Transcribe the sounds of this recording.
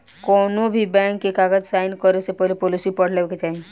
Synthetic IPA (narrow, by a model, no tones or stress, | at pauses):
kɔːnobʱibɛ̃ːŋkːekaːɡəd͡ʒsaːɪnkɔɾesepɔlepoːlɪsipəɽ̤leket͡ʃaːɦi